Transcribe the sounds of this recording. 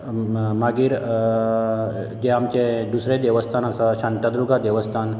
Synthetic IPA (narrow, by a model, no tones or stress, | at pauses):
maɡiːɾ | d͡ʑeamt͡ɕẽd̪usɾed̪eʋəst̪ʰanasaɕaɳt̪ad̪ɾuɡʱad̪eʋəst̪ʰan